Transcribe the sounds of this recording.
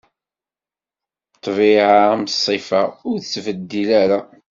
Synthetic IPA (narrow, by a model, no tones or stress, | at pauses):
t̪ˤːvɪʕamsˤːifaʊɾθt͡sːvəd̪ːilæɾa